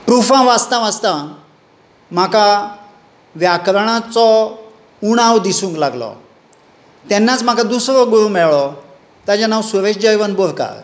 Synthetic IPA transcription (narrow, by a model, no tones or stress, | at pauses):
pɾufãʋast̪ãʋast̪ã | m̤aka | ʋjakɾɳ̃at͡sɔ | uɽ̃awd̪isũŋklaɡlɔ̰ | t̪ɛnːat͡sm̤akãd̪usɾɔɡuɾumɛɭɭɔ | t̪ãd͡ʑanawsuɾeɕd͡ʑəjʋənbɔɾka̰ɾ